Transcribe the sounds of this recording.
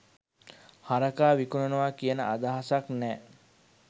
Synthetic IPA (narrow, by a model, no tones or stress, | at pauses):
haɾɐkaːʋikunənuʋaːkijənəʔad̪aɦasaknɛː